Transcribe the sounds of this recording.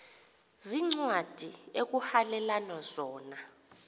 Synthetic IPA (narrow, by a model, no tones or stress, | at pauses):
ziŋ͡ǀwad̥ʱiek̬uhalɛlanɔzɔːna